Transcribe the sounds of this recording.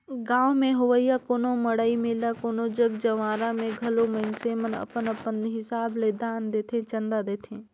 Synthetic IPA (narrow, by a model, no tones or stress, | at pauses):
ɡãːʋmẽɦʊʋəjːakoːnoməɽaːimelakoːnod͡ʒəɡd͡ʒɐʋaːɾãmẽɡʱɐlomənseːmənɐ̰pənəpənɦɪsaːbled̪aːnd̪eːt̪ʰẽt͡ʃɐ̃nd̪ad̪eːt̪ʰẽː